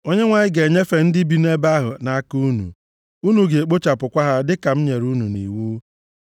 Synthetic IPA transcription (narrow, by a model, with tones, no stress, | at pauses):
o˦ɲe˦ŋʷa˨ɲɪ˦ɡe˨ɲe˦fe˨n̩˦dɪ˦bi˨ne˦ba˦ɦʊ̰˨na˨˦ku˦nṵ˨ | u˦nu˨ɡe˨e˨k͡po˦t͡ʃa˨pʊ˨kʷa˦ɦa˦dɪ˦ka˨m̩˦ɲe˨ɾu˦nu˨nḭ˨wu˦